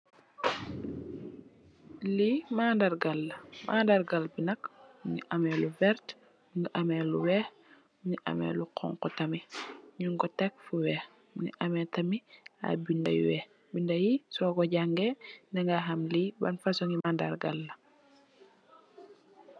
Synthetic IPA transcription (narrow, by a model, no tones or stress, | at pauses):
limaːndaɾɡalːɐmʔaːndaɾɡalbinɐkɲiʔɐmɛluvɛɾt | ŋiʔɐmɛluwɛːx | ɲiʔɐ̰mɛ̰luqʰɔ̰ŋkɔtɐmiɲuŋɡɔtɛk̚fuwɛːx | ɲiʔɐmɛtɐmia̰bindɐjḭwɛ | bindɐjisɔkɔɟaŋɡɛndɛŋɡaxɐmlibɐ̰nfasɔŋimanda̰ɾɡalːɐ